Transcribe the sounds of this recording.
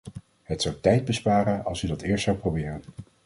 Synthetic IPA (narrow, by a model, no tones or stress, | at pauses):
ɦətsɑwtɛjd̚bəspaːɾənɑ̰lˠsydɑtɪːɹstsawprowbɪːrən